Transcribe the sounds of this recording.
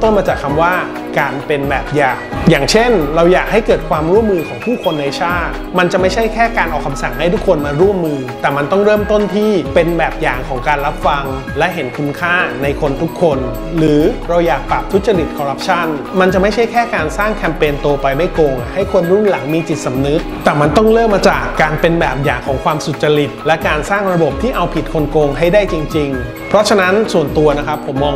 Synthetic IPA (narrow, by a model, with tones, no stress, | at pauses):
t̪o˥˩nmaː˧t͡ɕaː˨˩kʰːa˧mwaː˥˩ | kaː˧npe˧nbɛː˨˩p̚jaː˨˩kjaː˨˩ŋt͡ɕʰe˥˩nɾa˧wjaː˨˩k̚ha˥˩jkɤː˨˩t̪̚kʰwaː˧mɾu˥˩əmːɯː˧kʰɔː˩˦ŋpʰuː˥˩kʰo˧nːa˧jt͡ɕʰaː˥˩t̪̚ma˧nt͡ɕa˨˩ʔma˥˩jt͡ɕʰa˥˩jkʰɛː˥˩kaː˧nʔɔː˨˩kʰa˧msa˨˩ŋha˥˩jt̪ʰu˦˥kʰːo˧nmaː˧ɾu˥˩əmːɯː˧t̪ɛː˨˩ma˧nt̪ɔ˥˩ŋɾɤː˥˩mt̪o˥˩nt̪ʰiː˥˩pe˧nbɛː˨˩p̚jaː˨˩ŋkʰɔː˩˦ŋkaː˧nɾa˦˥p̚fa˧ŋ | lɛ˦˥ʔɦe˩˦nkʰu˧nkʰaː˥˩na˧jkʰo˧nt̪ʰu˦˥kʰːo˧n | ɾɯː˩˦ɾa˧wjaː˨˩k̚pɾa˨˩p̚t̪ʰu˦˥t̪̚t͡ɕa˧ɾi˨˩t̪̚kʰɔː˧ɾa˦˥p̚t͡ɕʰa˥˩nma˧nt͡ɕa˨˩ma˥˩jt͡ɕʰa˦˥˩jkʰɛː˥˩kaː˧nsaː˥˩ŋkʰɛː˧mpeː˧nt̪oː˧pa˧jma˥˩jkoː˧ŋha˥˩jkʰo˧nɾu˥˩nla˩˦ŋmiː˧t͡ɕi˨˩t̪̚sa˨˦mnɯ˦˥t̪̚t̪ɛː˨˩ma˧nt̪ɔ˥˩ŋɾɤː˥˩mːaː˧t͡ɕaː˨˩kːaː˧npe˧nbɛː˨˩p̚jaː˨˩ŋkʰɔː˩˦ŋkʰwaː˧msu˨˩t̪̚t͡ɕa˧ɾi˨˩t̪̚lɛ˦˥kaː˧nsaː˥˩ŋɾa˧bo˨˩p̚t̪ʰiː˥˩ʔa˧wpʰi˨˩t̪̚kʰo˧nkoː˧ŋɦa˥˩jdaː˥˩jt͡ɕi˧ŋt͡ɕi˧ŋ | pʰɾɔ˦˥t͡ɕʰa˧na˦˥nsu˨˩ənt̪u˧ɐna˦˥kʰa˦˥pʰːo˩˦mːɔː˧ŋ